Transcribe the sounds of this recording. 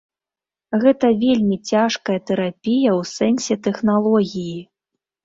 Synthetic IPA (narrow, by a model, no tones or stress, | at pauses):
ɣɛt̪ɐvʲelʲmʲit͡sʲaʂkɐjɐt̪ɛɾapʲijɐwsɛnsʲɛt̪ɛxnalˠɔɣʲiji